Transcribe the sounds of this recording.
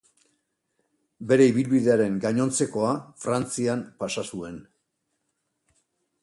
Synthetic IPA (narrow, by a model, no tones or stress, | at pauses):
be̞ɾe̞iβ̞ilβiðe̞aɾe̞ŋɡaɲo̞nt͡se̞ko̞afɾant͡siampasasue̞n